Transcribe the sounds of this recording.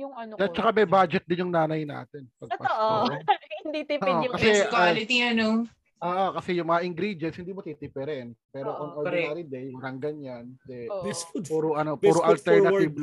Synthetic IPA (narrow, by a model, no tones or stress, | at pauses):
jʊŋɐnoɐt͡ʃːɐkamɛjbad͡ʒɛt̪̚d̪ɪnjʊŋnaːnɐjna̰ːt̪ɛnpɐɡ̚pɐoʔ | hnd̪it̪ikɐsɛkwalɪt̪iɐno | ʔoːʔokɐsɛjʊŋmɐŋɐʔɪŋɡɾid̪ɛnshɪnd̪iːmot̪it̪ɪpɛɾɛnpɛːɾoʔonʔɔɪaɾid̪ejwɐɾɐŋɡɐnjant̪ɛpuːɾoʔɐnopuɾoʔɐlt̪ɛɹnɐɪb